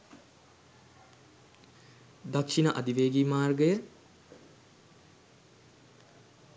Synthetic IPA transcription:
d̪akʃinəʔɐ̰d̪iʋeːɡimaːrɡəjə

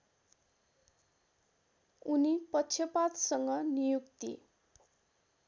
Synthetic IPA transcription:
unipʌt͡sʰjʌpat̪sʌŋɡʌnijukt̪ḭ

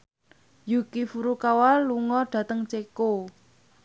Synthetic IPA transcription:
jukifuɾukawalːuŋɔɖ̥ä̤t̪əŋt͡ʃeko

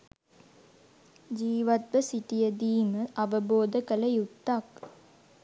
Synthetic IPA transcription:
d͡ʒiːʋat̪ʋəsiʈijəd̪iːməʔɐʋəboːd̪əkələjut̪ːak

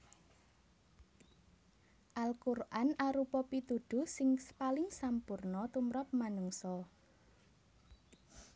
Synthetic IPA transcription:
ʔalkurʔanaɾupɔpit̪uɖ̪̥ʊ̤sɪŋpalɪŋsampurnɔt̪umɾɔp̚manuŋsɔ

